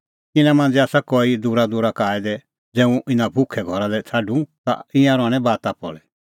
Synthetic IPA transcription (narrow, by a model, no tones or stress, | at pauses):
kɪnamãːnd͡zɛaːsakɔid̪uɾad̪uːɾakaːɛd̪ɛ | d͡zɛːũʔɪnãbʱʊkʰɛɡʱɔɾalɛt͡sʰaɖũt̪a̰ɪãɾɔɽ̃ɛbaːt̪apɔ̰lɛ